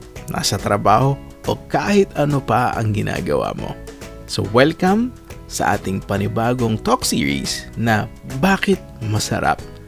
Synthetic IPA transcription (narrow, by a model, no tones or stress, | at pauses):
nʔa̰ːsɐt̪ɾɐbaːho | ʔokaːhɪt̪ɐnopɐʔɐ̰ŋɡɪnʔa̰ːɡɐ̰wa̰ːmo̰ | so̰wɛlkɐm | sɐ̰ʔaːt̪ɪŋpɐnɪbaːɡoŋt̪oksiːɹḭsnɐbaːkɪt̪̚mɐsɐ̰ɾa̰p̚